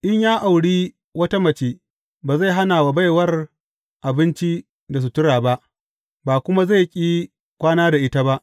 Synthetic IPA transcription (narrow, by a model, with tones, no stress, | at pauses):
ʔɪ˦ɲjaː˦ʔa˨wɽiː˦ | wɐ˦ta˦mɐ˨t͡ʃeː˦ | baː˨za˦˨ɦa˦naː˨wa˨ba˦jwɐ˦r | ʔa˨bɪ˦nt͡ʃi˦ | da˨s̬u˨tʊ˦ɽaː˨ba˦ʔ | baː˨kʷʊ˦ma˦za˦˨jkʲʼiː˦ | kʷʼaː˦naː˦da˨ʔɪ˦ta˦ba˦ʔ